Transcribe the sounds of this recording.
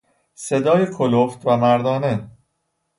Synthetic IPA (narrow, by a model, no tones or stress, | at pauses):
se̞d̪ɒːjekʰoloft̪ʰvæmæɾd̪ɒːne